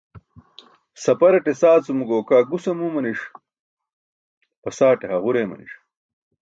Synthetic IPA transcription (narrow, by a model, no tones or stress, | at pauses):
sɐpɐɾɐʈesaːt͡sumuɡoːkaːɡusɐmuːmɐniʂ | pɐsaːʈeɦɐʁuɾeːmɐ̰nḭʂ